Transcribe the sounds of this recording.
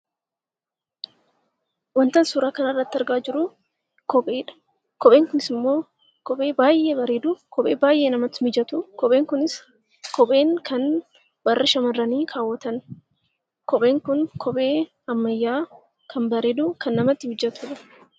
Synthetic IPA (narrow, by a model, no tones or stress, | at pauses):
wɐnt̪ɐnsuːɾaːkɐnɐrːɐt̪ːɪɐɾɡaːd͡ʒɪɾʊ | kɔpʼeːᶑɐ̥ | kɔpʼe̞ːŋkʊnɪsɪmːo̞ː | kɔpʼeːbaːjʔeːbɐɾeːd̪ʊkɔpʼeːbaːjʔeːnɐmɐt̪ːɪmɪd͡ʒɐt̪ʊkɔpʼe̞ːŋkʊnɪs | kɔpʼe̞ːŋkʰɐn | bɐrːɪʃɐmɐrːɐniːkʰaːwːɐt̪ɐn | kɔpʼe̞ːŋkʊnkʰɔpʼe̞ː | ɐmːɐjːaː | kʰɐnbɐɾeːd̪ʊkʰɐnːɐmɐt̪ːɪmɪd͡ʒɐt̪ʊᶑɐ̥